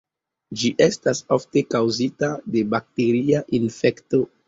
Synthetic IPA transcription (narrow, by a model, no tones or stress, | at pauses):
d͡ʒiʔe̞stasofte̞kawzitade̞bak̚te̞ɾiaʔinfe̞kto